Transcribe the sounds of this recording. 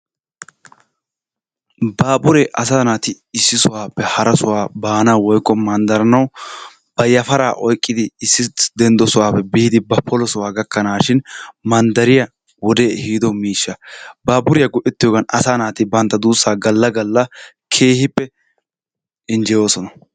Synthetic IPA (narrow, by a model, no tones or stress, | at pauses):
baːbʊɾeʔɐs̬aːnaːt̪ɪ | ɪsːɪsʊwaːpːɛhɐɾɐsʊwaːbaːnawɔjkʼːɔmɐnd̪ɐɾɐnɐw | b̥ɐjɐfɐɾaːʔɔjkʼːɪd̪ɪːsːɪd̪ɛnd̪ɔsʊwaːpːɛbiːd̪ɪbɐpʰːɔlɔsʊwaːɡɐkːɐnaːʃɪnmɐnd̪ɐɾɪjɐ | wɔd̪eːhiːd̪ɔmiːʃːɐbaːbʊɾɪjɐɡʊʔɛt̪ːɪjoːɡɐnɐ̰saːnaːt̪ɪbɐnt̪ːɐd̪uːsːaːɡɐlːɐɡɐlːɐ | kʰeːhɪpːɛ | ɪnd͡ʒɛjo̞ːsɔnɐ